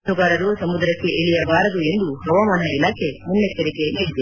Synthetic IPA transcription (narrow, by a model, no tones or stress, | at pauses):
uɡaːɾɐɾusɐmud̪ɾɐkːeʔeɭijɐbaːɾɐd̪ue̞nd̪uɦɐʋamaːnɐilaːkʰemunːekːɐɾikeniːɽid̪e